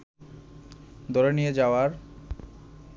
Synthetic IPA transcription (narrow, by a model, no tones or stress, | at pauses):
d̪ɔɾenijed͡ʑaoaɾ